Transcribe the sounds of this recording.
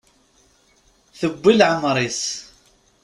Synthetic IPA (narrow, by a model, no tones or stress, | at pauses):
θəbːilʕəmɾˤis